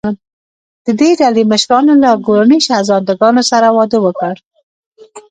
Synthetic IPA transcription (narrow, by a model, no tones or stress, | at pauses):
d̪̥əd̪eɖaleməʃɾɑnolaɡoɾaniʃazɑnd̪aɡɑnosaɾawɑd̪əwəkəɽ